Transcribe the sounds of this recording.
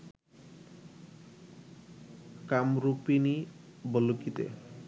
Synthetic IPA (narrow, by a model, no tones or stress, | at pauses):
kamɾupini | bɔlukit̪ḛ